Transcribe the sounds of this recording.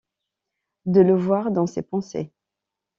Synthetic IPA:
d̪ələvwaʁd̪ɑ̃sepɑ̃sḛ

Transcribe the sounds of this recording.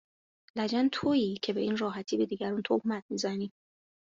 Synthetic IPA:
læd͡ʒænt̪ʰoiːcʰe̞be̞iːnrɒːɦæt̪ʰiːbe̞d̪iːɟæɾunt̪ʰohmæt̪̚ʰmizæniː

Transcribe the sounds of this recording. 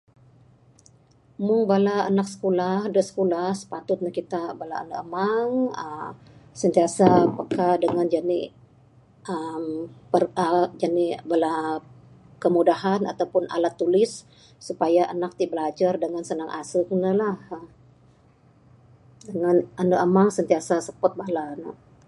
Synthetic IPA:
mʊŋbalaːnak̚sə̥kolahdəsə̥kolahsə̥pat̪ʊt̪̚nakit̪abala̰ə̰nakəmaŋə | sənt̪iasaːpakadəŋand͡ʒanḭ | ʔəmpərəd͡ʒanibala | kəmudaɦana̰t̪awpʊnʔa̰lat̪ːulɪsː | upajaʔənak̚t̪ibəlad͡ʒardəŋansənaŋʔa̰səknəlah | dəŋananəʔəmaŋsənt̪iasasəpɔt̪̚balana̰

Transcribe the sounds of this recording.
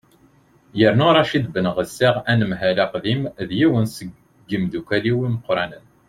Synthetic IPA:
jəɾnʊɾˤɑʃid̪bənʁəsːiʁænəmɦælæqðimðjiwənsəɡː | əmd̪ukʷæliwiməqːɾˤɑnən

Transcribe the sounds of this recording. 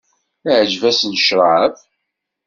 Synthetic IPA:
ʕd͡ʒvæsnʃɾˤəʕəf

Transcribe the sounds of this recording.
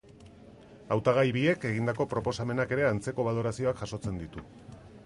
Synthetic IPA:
awt̪aɣ̞ajβie̞ke̞ɣ̞ind̪ako̞pɾo̞po̞same̞nake̞ɾe̞ant͡se̞ko̞β̞alo̞ɾasio̞akʝaso̞t͡se̞nd̪it̪u

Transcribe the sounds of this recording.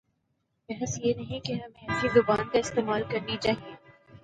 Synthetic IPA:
bɛɦəsjenɐɦĩkeɦɐmẽɐizʊbaːnkaɪst̪eːmaːlkɐɾnit͡ʃaːɦieː

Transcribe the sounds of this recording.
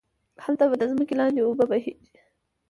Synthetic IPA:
halt̪abad̪əzməkelɑnd̪eobabaɦid͡ʒi

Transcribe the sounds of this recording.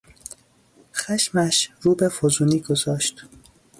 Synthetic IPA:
xæʃmæʃɾuːbefozuːniːɡozɒːʃt̪

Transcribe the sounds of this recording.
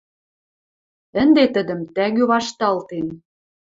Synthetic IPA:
ə̆nd̪et̪ə̆d̪ə̆mt̪æɣøβɑʃt̪ɑlt̪en

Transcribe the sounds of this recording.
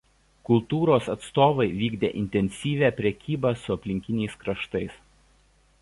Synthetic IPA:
kʊlˠt̪uːɾoːsɐt̪st̪oːʋɐɪʋʲiːɡd̪ʲḛːʔɪnʲt̪ʲɛnʲsʲiːʋʲæːpʲɾʲɛkʲiːbɑːsʊɐpʲlʲɪŋʲkʲɪnʲɛɪskɾɐʃt̪ɐɪs

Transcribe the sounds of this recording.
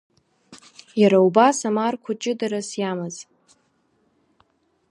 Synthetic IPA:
jaɾaubasamarkʷʰʊt͡ʃʼɪdaɾasjamaz

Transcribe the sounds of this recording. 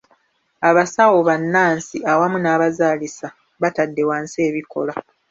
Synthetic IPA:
aβasawo̞βanːaːnsiʔawamunaːβazaːlisa | βatadːe̞waːnse̞ːβiko̞̰la

